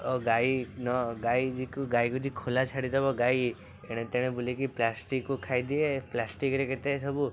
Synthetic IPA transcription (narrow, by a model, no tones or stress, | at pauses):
oɡainɔɡaid͡ʒikuɡaikud͡ʒikʰolat͡ʃʰaɽid̪ɔbɔɡai | eɽ̃et̪eɽ̃ebulikiplasʈikːukʰajd̪ieplasʈikɾeket̪esɔbu